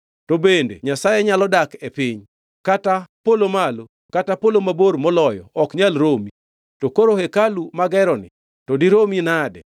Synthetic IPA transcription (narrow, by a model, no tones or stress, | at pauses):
tobendḛɲasajɛɲalɔdakepɪɲ | katapolomalo | katapolomaboɾmɔlɔjɔ̰ɔkɲalɾomi | tokoɾohekalumaɡɛɾɔnɪ̰ | tɔdiɾominadɛ̰